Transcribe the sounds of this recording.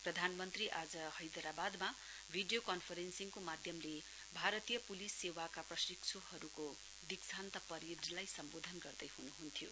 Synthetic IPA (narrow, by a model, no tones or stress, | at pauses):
prʌd̪ʱanmʌnt̪riʔad͡zʌhʌjd̪ʌɾabad̪ma | bʱiɖijokʌnpʰʌɾensiŋkomad̪ʱjʌmle | bʱaɾʌt̪ijʌpulisːewakaprʌsik̚t͡sʰoɦʌɾuko | d̪iksʰant̪ʌpʌɾid͡zlajsʌmbod̪ʱʌnɡʌrd̪ʌjɦunuɦunt̪ʰjo